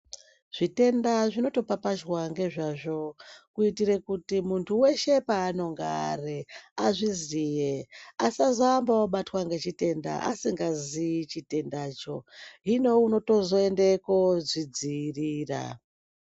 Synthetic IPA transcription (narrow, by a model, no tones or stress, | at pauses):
ʐ̥ite̞ndaʐino̞to̞papaʒwaŋɡe̞ʐaʐo̞kuitiɾe̞kutimuntʰuwe̞ʃe̞paːno̞ŋɡaa̰reaʐizijeasazaːmbawaɓatwaŋɡe̞t͡ʃite̞nda̰ʔasiŋɡazit͡ʃite̞ndaːt͡ʃo̞ɦino̞uno̞to̞zo̞endekozid͡ziriːra̰